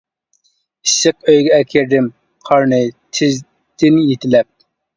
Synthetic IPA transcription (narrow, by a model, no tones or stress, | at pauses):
isːɨq̚øjɡʲɛɛkʲʰeɾd̪ɪm | qʰɑɾnɨt̪ʰɪz | d̪̥ɪnjet̪ʰɪlɛp̚